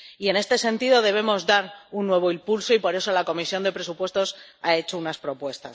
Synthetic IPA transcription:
ie̞ne̞st̪e̞se̞nt̪iðo̞ðe̞β̞e̞mo̞zðaɾunːwe̞β̞o̞impulso̞ipo̞ɾe̞so̞lako̞misjo̞nd̪e̞pɾe̞supwe̞st̪o̞sae̞t͡ʃo̞unaspɾo̞pwe̞st̪a̰

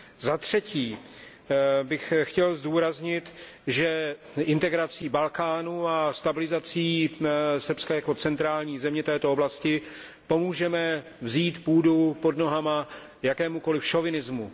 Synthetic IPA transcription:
zat̪r̝̥ɛciː | bɪxxcɛlzduːɾazɲɪt̪ | ʒɛ | ʔɪnt̪ɛɡɾat͡siːbalkaːnuast̪abɪlɪzat͡siːsr̩pskajako̞t͡sɛnt̪ɾaːlɲiːzɛmɲɛt̪ɛːt̪ooblascɪ | po̞muːʒɛmɛ | vziːt̪puːdupo̞dno̞ɦama | jakɛːmuko̞lɪfʃo̞vɪnɪzmu

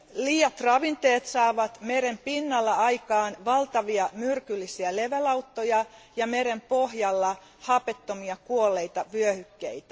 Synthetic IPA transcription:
liːjɑt̪rɑʋint̪eːt̪sɑːʋɑt̪meɾempinːɑlːɑɑjkɑːnʋɑlt̪ɑʋiɑmyrkylːisiæle̞ʋælɑwt̪ːojɑjɑmeɾempohjɑlːɑ | hɑpet̪ːomiɑkuolːe̞it̪ɑʋyøhykːḛit̪æ

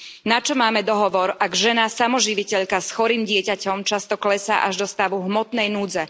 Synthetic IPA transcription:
nat͡ʃɔmaːmɛd̪ɔɦɔʋɔɾaɡʒɛnasamɔʒiʋicɛʎkasxɔɾiːmɟɪɛcacɔmt͡ʃast̪ɔklɛsa̰ːʔaʒd̪ɔst̪aʋuɦmɔt̪nɛjnuːd͡zɛ

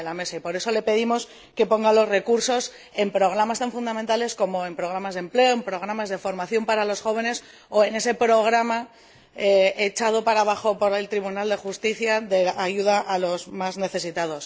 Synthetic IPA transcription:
elame̞saipo̞ɾe̞so̞le̞pe̞ð̞imo̞s | ke̞po̞ŋɡalo̞sre̞kuɾso̞s | e̞mpɾo̞ɣ̞ɾamast̪aɱfund̪amẽ̞nt̪ale̞sko̞mo̞e̞mpɾo̞ɣ̞ɾamazðe̞mple̞oempɾo̞ɣ̞ɾamazð̞e̞fo̞ɾmaθjo̞mpaɾalosxo̞β̞e̞ne̞s | o̞e̞ne̞se̞pɾo̞ɣ̞ɾama | eet͡ʃað̞o̞paɾaβaxo̞po̞ɾe̞lt̪ɾiβ̞unald̪e̞xust̪iθjaðe̞aʝuð̞aʔalo̞zmazne̞θe̞sit̪aðo̞s

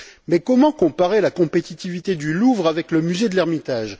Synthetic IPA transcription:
mɛkɔmɑ̃kɔ̃paʁelakɔ̃pet̪it̪ivit̪ed̪yluvʁavɛkləmyzed̪əlɛʁmit̪aʒ

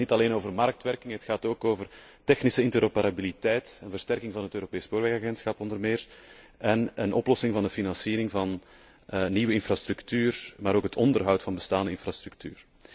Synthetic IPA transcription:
nitɑleːnoːvərmɑrk̚tʋɛrkɪŋɦətxaːtoːkoːvər | tɛxnisəɪntəɾopəɾabilitɛjtənvərstɛrkɪŋvɑnɦətøːɾopeːspoːɾʋɛxaɣɛnsxɑpɔndərmɪːr | ʔɛnənʔɔplɔsɪŋvɑndəfinɑnsiːɾɪŋvɑn | nːiʋəɪnfrastɾʉktyːrmaːɾoːkɦətʰɔndərɦʌwtfɑnbəstaːndəɪnfrastɾʉk̚ty̰ːr

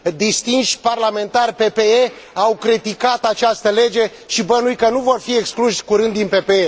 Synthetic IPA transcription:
d̪ist̪inʃʲparlame̞nt̪arʲpe̞pe̞e | awkɾit̪ikat̪at͡ʃast̪əle̞d͡ʒe̞ | ʃibənujkənuvo̞rfie̞kskluʃʲkuɾɨnd̪ːinpe̞pee

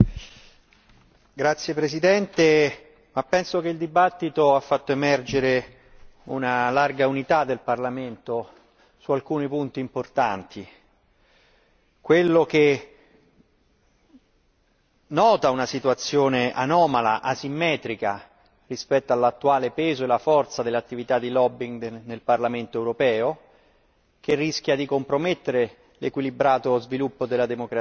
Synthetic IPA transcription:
ɡɾat̪sːjepɾesid̪ɛnt̪e | mapːɛnsok̟eild̪ibat̪ːit̪oafːat̪ːoemɛrd͡ʒeɾe | ṵnalarɡaunit̪ad̪ːelparlament̪o | sualkuːnipunt̪iːmport̪ant̪ʰi | kwelːok̟e | nːɔːt̪aunasit̪wat̪sːjoːnea̰nɔːmala̰ʔasimːɛːt̪ɾika | rispɛt̪ːoalːat̪ːuaːlepeːzoelafɔrt̪sad̪elːat̪ːivit̪ad̪ːilɔbːiŋɡnelparlament̪oɛwɾopɛːo | k̟erːisk̟jad̪ikompɾomet̪ːeɾe | lekwilibɾaːt̪ozvilupːod̪elːad̪emokɾa

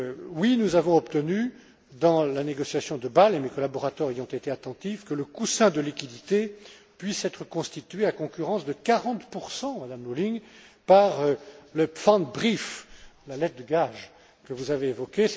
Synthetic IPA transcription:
winuzavɔ̃ɔpt̪əny | d̪ɑ̃laneɡɔsjasjɔ̃d̪əbalemekɔlabɔʁat̪œʁejɔ̃t̪et̪eat̪ɑ̃t̪ifkələkusɛ̃d̪əlikʲid̪it̪epɥisɛt̪χəkɔ̃st̪it̪ɥeakɔ̃kʲyʁɑ̃sd̪əkaʁɑ̃t̪puʁsɑ̃mad̪amnoliŋ | paʁləfɑ̃d̪bʁiflalɛt̪̚d̪əɡaʒ | kəvuzaveːvɔkʲe

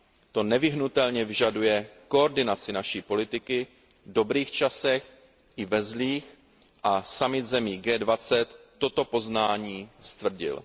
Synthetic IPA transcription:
t̪o̞nɛvɪɦnut̪ɛlɲɛvɪʒadujɛko̞oɾdɪnat͡sɪnaʃiːpo̞lɪt̪ɪkɪ | do̞bɾiːxt͡ʃasɛx | ʔɪvɛzliːx | ʔasamɪt̪zɛmiːɡɛːdvat͡sɛt̪ːo̞t̪o̞po̞znaːɲiːst̪vr̩ɟɪ̰l

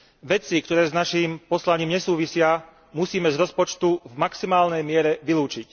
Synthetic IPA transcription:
ʋɛt͡sikt̪ɔɾɛːznaʃimpɔslaɲiːmɲɛsuːʋisɪa | musiːmɛzɾɔspɔt͡ʃt̪uvmaksimaːlnɛjmɪɛɾɛʋiluːt͡ʃic

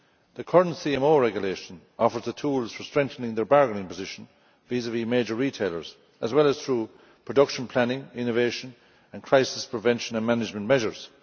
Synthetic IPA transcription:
ðəkʰʌɹə̃ntsiɛ̃moːɹɛɡjəleːʃə̃n | ɔfə˞zðətʰuːlz̥fə˞stɹ̥ɛ̃ŋk̚θə̃nɪ̃ŋðə˞baɹɡənɪ̃ŋpʰəzɪʃə̃n | vizəvlimeːd͡ʒə˞ɹitʰeɪlə̰˞z̥ | əzwɛləz̥θɹuː | pʰɹ̥ədʌkʃə̃npʰl̥anɪ̃ŋɪ̃noveːʃə̃n | ə̃nkʰɹ̥aɪsɪspʰɹ̥ɪvɛ̃nʃə̃nə̃nmanɪd͡ʒmə̃nmɛʒə˞z̥

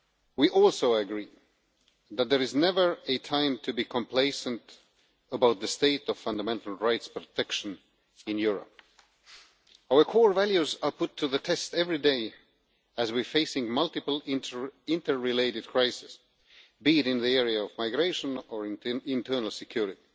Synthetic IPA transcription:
wiʔɔlˠsoʊəɡɹi | ðɨt̪̚ðə˞ɨznɛvə˞ɨtʰãɪ̃mtʰɨbikʰə̃mpʰl̥eɪsə̃nt | əbaʊt̪̚ðɨsteɪɾʌv̥fʌ̃ndəmɛ̃ntl̩ˠɹaɪtspɹ̥otʰɛkʃɨ̃n | ɪ̃njʊɹə̰p̚ | aʊə˞kʰɔɹvælˠjʉzə˞pʊtʰːɨðɨtʰɛstɛvɹideɪ | ɨzwifeɪsɪ̃ŋmʌlˠtɨpl̩ˠɪ̃ntə˞ːɪleɪɾɨd̚kʰɹ̥aɪsɪ̥s | biɾɪ̃nðiɛɹiɨɔvmaɪɡɹeɪʃə̃nə˞ɪ̃ntʰɜ˞nl̩ˠsɨkʰj̥ʊɹɨti

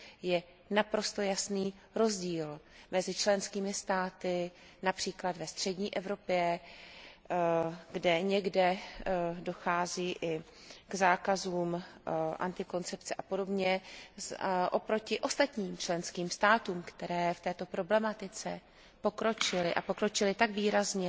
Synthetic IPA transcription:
jɛ | napɾo̞st̪o̞jasniː | ɾo̞zɟiːl | mɛzɪt͡ʃlɛnskiːmɪst̪aːt̪ɪ | napr̝̥iːklad̪vɛst̪r̝̥ɛɟɲiːʔɛvɾo̞pjɛ | ɡdɛɲɛɡdɛ | do̞xaːziːʔɪ | ɡzaːkazuːmʔa̰nt̪ɪko̞nt͡sɛp̚t͡sɛʔapo̞do̞bɲɛzʔo̞pɾo̞cɪʔo̞st̪at̪ɲiːmt͡ʃlɛnskiːmst̪aːt̪uːmkt̪ɛɾɛːft̪ɛːt̪o̞pɾo̞blɛmat̪ɪt͡sɛ | po̞kɾo̞t͡ʃɪlɪʔapo̞kɾo̞t͡ʃɪlɪt̪aɡviːɾazɲɛ

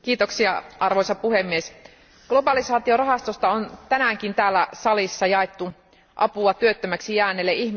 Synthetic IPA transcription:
k̟iːt̪oksiɑɑrʋojsɑppuhemːies | ɡ̥lobɑlisɑːt̪io̞rɑɦɑst̪ost̪ɑont̪ænæŋkint̪æːlːæsɑlisːɑjɑet̪ːu | ʔɑpuɑt̪yøt̪ːømæksijæːnːelːeʔihm

